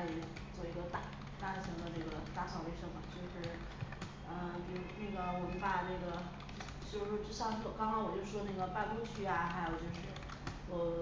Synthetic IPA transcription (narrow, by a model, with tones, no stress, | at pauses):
li˨˩ | t͡swɔ˥˩i˧˥ɡə˧t̪a˥˧ | t̪a˥˩ɕʰi˧˥ŋd̪ə˧na˥˩ɡə˩t̪a˥˧ɕʰɑ˥˩ŋwe˥ɪʂɤ˥ŋmɐ˨˩t͡ɕjo˥˧ʊʂɻ̩˥˩ | ə˧pi˧˩˧ne˥˩ɡə˩wɔ˨˩mə˧˥pa˨˩nə˥˩ɡə˩ | t͡ɕ̩˥˧u˧˩ʂɔ˥˧ʈ͡ʂɻ̩˥ɕɑ˥˧ʂkɑ˥ŋkʰɑ˥ŋwɔ˨˩t͡ɕjo˥˧ʂ̩˥˩ʂwɔ˥na˥˩ɡə˩pa˥˧u˥t͡ɕʰy˧˥a˧xa˧˥ɪjo˨˩ʊt͡ɕjo˥˧ʊʂɻ̩˥˧ | wɔ˧˩